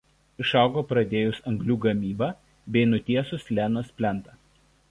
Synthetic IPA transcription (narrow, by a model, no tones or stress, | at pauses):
ɪʃɑˑʊɡoːpɾɐd̪ʲeːjʊsɐŋɡlʲuːɡɐmʲiːbɑ | bʲɛɪnʊt̪ʲiɛsʊslʲænɐspʲlʲɛnt̪ɐ